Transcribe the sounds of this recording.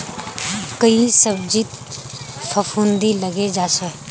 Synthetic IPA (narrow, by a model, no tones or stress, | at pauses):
kəisəbd͡ʒit̪ | fʰɐfʰund̪ilɐɡed͡ʒaːsoɦɛ